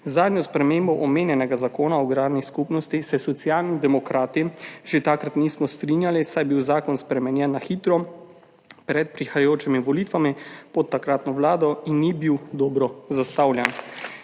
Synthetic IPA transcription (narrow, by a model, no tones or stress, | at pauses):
zaːd̪njɔspɾɛmeːmbɔʔɔmeːnjɛnɛɡazakoːnaɔɡɾaːd̪niskupnɔst̪isɛsɔt̪sjaːlnid̪ɛmɔkɾaːt̪iʒet̪akɾat̪nismɔst̪ɾinjalisajbiwzaːkɔnspɾɛmɛnjɛnːaxiːt̪ɾɔ | pɾɛt̪̚pɾixajajoːt͡ʃimiʋɔliːt̪ʋamipɔt̪ːakɾaːt̪nɔʋlaːd̪ɔinːibiwd̪ɔːbɾɔzast̪awljɛn